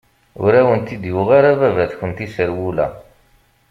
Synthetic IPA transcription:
ʊ̰ɾæwənt̪id̪jʊʁaɾævævæθçənt̪isəɾwulæ̰

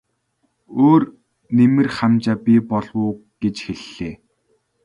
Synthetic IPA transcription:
oːr | nemɘ̆rχamt͡ɕaːpʲipɔɮwʊːɡ̥et͡ɕxeɮːeː

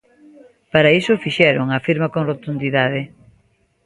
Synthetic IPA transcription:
paɾaisʊfiʃɛɾʊŋɐfiɾmɐkoŋrot̪und̪iðaðe

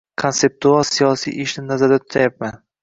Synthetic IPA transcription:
kʰonse̞p̚t̪ualˠsijɒsḭjʔɪʃnɪnazaɾd̪at̪ʰʊt̪ʰajap̚man

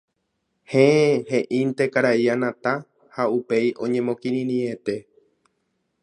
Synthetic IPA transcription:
hẽehẽ̞ʔĩnt̪e̞kaɾaianãt̪a | haupe̞jʔõ̞ɲẽ̞mõ̞kĩɾĩɾĩet̪e̞

